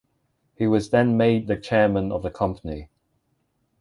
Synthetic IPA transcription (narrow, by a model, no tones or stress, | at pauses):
hiwɒzðə̃nmeɪd̪̚ðət͡ʃʰɛːmə̃nə̰vðəkʰʌ̃mpʰəni